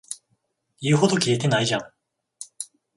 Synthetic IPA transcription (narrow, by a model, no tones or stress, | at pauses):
jiɯɦo̞d̪okʲie̞t̪e̞naiʑãŋ